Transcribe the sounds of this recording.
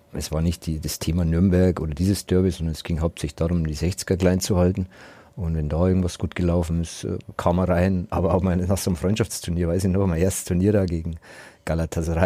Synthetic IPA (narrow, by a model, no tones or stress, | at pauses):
ʔɛsv̥aːɐnɪçt̚d̥iːd̥astʰeːmanʏɐmbɛɐkʔoːdɐdiːzəsd̥œɐbɪzɔndɐnɛsɡ̥ɪŋɦaʊp̚tsɛlɪ̥çd̥aːʁʊmdiːzɛçt͡sɪ̥ɡ̥ɐkl̥aɪnt͡suhaltn̩ | ʊntvɛndaːʔɪɐɡŋ̩tv̥asɡ̥uːtɡ̥əlaʊfn̩ɪsɛ̰kʰaːmɐʁaɪnʔa̰ːbɐaʊfmaɪnnaːxz̥oːnmfʁɔʏntʃaft͡stʰʊɐniːɐvaɪsɪçnɔχmaɪnʔeːɐstə̥stʰuɐniːɐɾaːɡeːɡŋ̩ɡ̥alatʰasʁa